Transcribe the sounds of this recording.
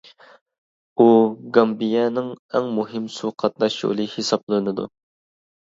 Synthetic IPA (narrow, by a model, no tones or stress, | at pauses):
uɡɑmbijɛnɪŋɛŋmuɦɪmsuqʰɑt̪̚nɑʃjo̰lˠɨhesɑblˠɨnɨd̪ṵ